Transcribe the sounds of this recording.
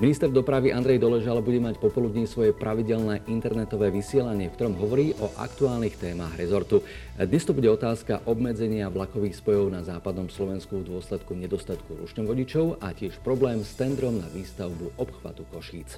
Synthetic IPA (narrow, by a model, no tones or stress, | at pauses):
minist̪ɛɾd̪ɔpɾaʋiʔand̪ɾɛjd̪ɔlɛʒalbuɟɛmacpɔpɔlud̪ɲisʋɔjɛpɾʔaʋiɟɛlnɛːʔint̪ɛɾnɛt̪ɔʋɛːʋisɪɛlaɲɪɛfkt̪ɔɾɔmɦɔʋɔɾiːʔɔʔa̰kt̪uaːlnixt̪ɛːmaɣɾɛzɔɾt̪u | d̪ɲɛst̪ɔbuɟɛɔt̪aːskaʔɔbmɛd͡zɛɲɪaʋlakɔʋiːxspɔjɔʊnazaːpad̪nɔmslɔʋɛnskuvd̪ʊɔslɛt̪kuɲɛd̪ɔst̪at̪kuɾṵt͡ʃɲɔʋɔɟit͡ʃɔʊa̰cɪɛʃpɾɔblɛːmst̪ɛnd̪ɾɔmna̰ʋiːst̪aʊbuʔɔpxʋa̰t̪ukɔʃiːt͡s